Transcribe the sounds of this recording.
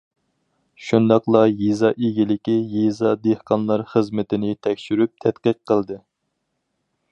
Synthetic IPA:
ʃund̪ɑqlˠɑjezɑʔeɡʲilɪkʲijezɑd̪ehqɑnlˠɑɾχəzmɪt̪ʰɪnɪt̪ʰɛkʲʃyɾyp̚t̪ʰɛt̪qəqʰːəlˠd̪ɨ

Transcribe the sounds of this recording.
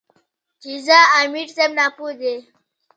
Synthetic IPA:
t͡ʃizaamiʈsebnapud̪e

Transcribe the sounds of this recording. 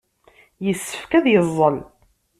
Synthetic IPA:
jəsːə̥fkæðjəzˤːəl

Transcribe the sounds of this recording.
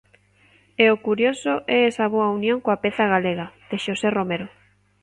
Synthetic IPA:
eokuɾjosoʔɛesɐβ̞oɐunjõŋkoapeθaɣaleɣað̥eʃoseromeɾo

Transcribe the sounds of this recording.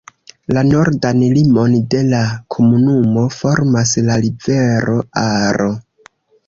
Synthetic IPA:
lano̞ɾdanlimo̞nde̞lakʰo̞munumo̞fo̞ɾmaslalibe̞ɾo̞aɾo

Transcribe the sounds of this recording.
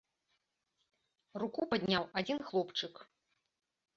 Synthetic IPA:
rukupad̪ʲnʲawad͡zʲinxlˠɔpt͡ʂɨk

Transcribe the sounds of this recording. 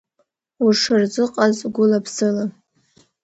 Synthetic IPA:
uʂɨrzɨqʼazɡʷʊlapʰsɨla

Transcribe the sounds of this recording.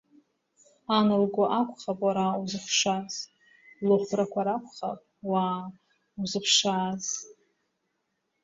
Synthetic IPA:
anɨlɡʷʊʔakʷʰʼχapʼwaɾauzɨχʷʂaz | lɨχʷrakʷʰaɾakʷʰχa̰pʼwaː | uzɨpʰʂaːz

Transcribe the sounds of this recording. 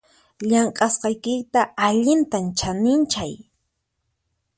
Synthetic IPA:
ʎaɴqʼɑsqɑjkɪt̪aaʎɪnt̪ant͡ʃanɪnt͡ʃaj

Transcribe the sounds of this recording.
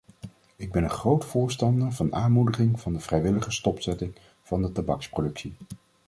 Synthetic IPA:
ɪɡ̚bɛnənχrowtfʊːɹstɑndəɹvɑnaːnmudəχɪŋv̥ɑndəv̥rɛjʋɪləχəstɔpsɛtɪŋ | v̥ɑndətabɑksprodɵksi

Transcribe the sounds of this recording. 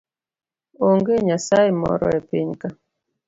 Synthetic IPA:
oŋɡeɲasaimɔ̰ɾɔ̰ɛpeɲka

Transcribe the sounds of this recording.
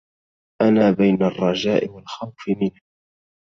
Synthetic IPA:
ʔanaːbajnarˤːɑd͡ʒaːʔɪwalxawfɪmɪnh

